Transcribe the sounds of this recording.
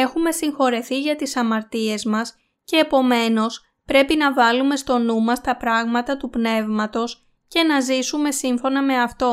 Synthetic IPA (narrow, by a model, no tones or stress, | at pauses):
e̞xume̞siŋxo̞ɾe̞θiʝɐt̪isɐmɐɾt̪ie̞zmɐs | ce̞ːpo̞me̞no̞s | pɾe̞pinɐvɐlume̞st̪o̞numɐst̪ɐpɾɐɣmɐt̪ɐt̪upne̞vmɐt̪o̞s | ce̞nɐzisume̞siɱfo̞nɐme̞ɐft̪o̞